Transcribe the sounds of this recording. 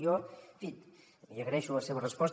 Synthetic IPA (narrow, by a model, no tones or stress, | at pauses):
ofit̪ | iəɣɾɛʃuləseβərəspɔs